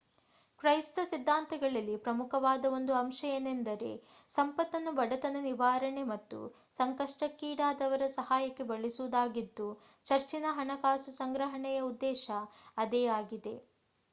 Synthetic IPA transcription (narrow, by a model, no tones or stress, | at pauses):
kɾɐjst̪ɐsid̪ʱːaːnt̪ɐɡɐɭɐlːipɾɐmukʰɐʋaːd̪ɐo̞nd̪uɐmʃɐjɐnend̪ɐɾe̞̰ | sɐmpɐt̪ːɐnːubɐɽɐt̪ɐnɐniʋaːɾɐɳemɐt̪ːṵ | sɐŋkɐʂʈɐkːiːɽaːd̪ɐʋɐɾɐsɐɦaːjɐkːe̞bɐɭisuʋud̪aːɡid̪ːu | t͡ʃɐɾt͡ʃinɐɦɐɳɐkaːsusɐŋɡɾɐɦɐɳɛjɐud̪ːɛːʃɐːd̪ɛːaːɡid̪e̞̰